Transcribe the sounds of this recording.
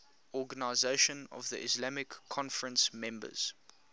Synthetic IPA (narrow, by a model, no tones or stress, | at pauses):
ɔɡənaɪzeɪʃə̃nɔ̰vðḭʔɪslamɪkʰːɔ̃nfəɹə̃nsmɛ̃mbə̰z̥